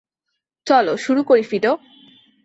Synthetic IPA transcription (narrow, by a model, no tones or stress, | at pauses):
t͡ɕɔloʃuɾukoɾifiɖ̪o